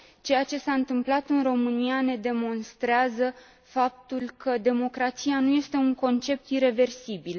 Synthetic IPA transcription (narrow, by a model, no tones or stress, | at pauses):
t͡ʃe̞jat͡ʃe̞saɨnt̪ɨmplat̪ɨnro̞mɨniane̞d̪e̞mo̞nst̪ɾeazə | fap̚t̪ulkʰəd̪e̞mo̞kɾat̪sianuje̞st̪e̞uŋko̞nt͡ʃe̞p̚t̪iɾe̞ve̞rsibil